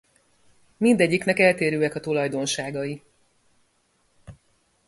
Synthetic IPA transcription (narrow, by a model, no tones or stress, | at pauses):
mind̪ɛɟːiknɛkɛlt̪eːɾøːɛkɒt̪ulɒjd̪o̞nʃaːɡɒji